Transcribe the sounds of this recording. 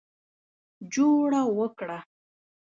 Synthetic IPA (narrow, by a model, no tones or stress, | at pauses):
d͡ʒuɽawəkɽa